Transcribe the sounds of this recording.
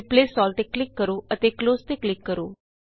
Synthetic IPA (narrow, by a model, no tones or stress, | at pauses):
plesɔlʈ̪eklɪkːəɾoət̪ekloːst̪eklɪkːəɾo